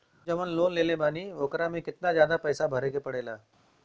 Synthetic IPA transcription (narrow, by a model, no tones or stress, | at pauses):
d͡ʒɐmənloːnleːlẽbaːniʋoːkɾamẽkɪt̪nazjaːd̪apɛːsabʱɐɾeːkepɐɽeːlaː